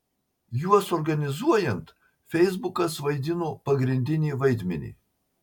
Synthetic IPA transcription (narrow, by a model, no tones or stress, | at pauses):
juɔsɔɾɡɐnʲɪzuɔjɛnt̪ | fʲɛɪzbʊkɐsʋɐɪd̪ʲɪnoːpɐɡɾʲɪnʲd̪ʲɪnʲiːʋɐɪd̪ʲmʲɛnʲḭː